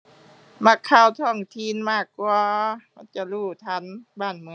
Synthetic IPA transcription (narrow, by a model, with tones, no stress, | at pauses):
ma˧kʰːa˧˨wt̪ʰɔː˧˩ŋt̪ʰi˧˥˨nmaː˧˥˩kːu˧ama˧˥˨nt͡ɕa˧˨luː˧˩t̪ʰa˧˥˨nbaː˧˩˨nmɯ˧